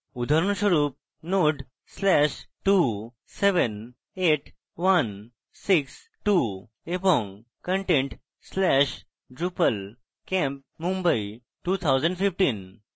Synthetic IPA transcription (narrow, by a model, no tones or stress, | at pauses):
ud̪ʱaɾunɕəɾuːp̚ | noɖ | slɛɕʈu | seʋən | eʈ | ʋan | siks | ʈu | epɔŋɡ | kə̃ɳʈẽɳʈ | slɛɕ | ɖɾupəl | kɛ̃mp̚mũmbəi | ʈut̪ʰawd͡zə̃ɳɖfifʈiːn